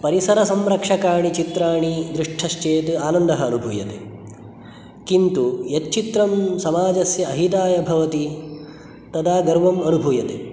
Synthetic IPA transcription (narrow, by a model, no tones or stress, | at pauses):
pɐɾisɐɾɐsɐmɾɐkʂɐkaːɳit͡ʃit̪ɾaːɳid̪ɾiʂʈʰɐʃt͡ʃeːt̪aːnɐnd̪ɐɦɐːnubʱujɐt̪ḛ | kint̪ujɐt̪t͡ʃit̪ɾɐmsɐmaːd͡ʒɐsjɐːɦit̪aːjɐbʱɐʋɐt̪i | t̪ɐd̪aːɡɐɾʋɐmɐnubʱujɐt̪ḛ